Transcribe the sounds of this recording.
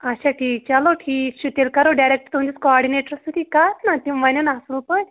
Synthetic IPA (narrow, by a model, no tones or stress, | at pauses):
aɕaʈʰiːk̚t͡ɕaloʈʰiːkɕut̪elkaɾoɖajɾek̚ʈət̪umd͡ʑit͡skoɔɾɽineʈəɾsut̪ʰiːkat̪nat̪imananaslũpəɳ